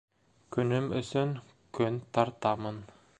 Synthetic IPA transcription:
kɵnymɵsɵŋ | kɵnt̪ʰɑɾt̪ɑmɤn

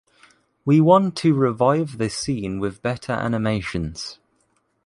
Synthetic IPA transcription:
wiwɒ̃ntʰəɹɪvaɪvðəsĩːnwɪðbɛtʰəɹʔa̰nɪmeɪʃə̃nz̥

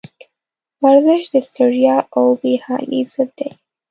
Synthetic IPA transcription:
waɾzɪʃd̪əst̪əɾijɑawbehɑ̰nḭzəb̪̚d̪aj

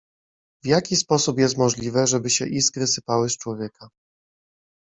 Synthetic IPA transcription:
vjakʲispɔsupjɛst̪mɔʐlʲivɛʐɛbɘɕɛʔizkɾɘsɘpawɘst͡ʂwɔvʲjɛka

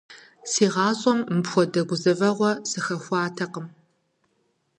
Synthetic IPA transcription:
siːʁɑːɕʼɔmːɨpxʷɔdɐɡʷʊzɐvɐʁʷɔsɨxɐxʷɑːtʰɐqəm

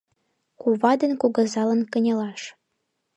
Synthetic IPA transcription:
kuβɑd̪ənkuɣə̆zɑlə̆nkə̆nʲɤ̆lɑʃ

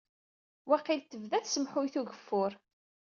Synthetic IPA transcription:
wæqilt̪ːəvðæθsəmħʊjθuʝəfːʊɾ

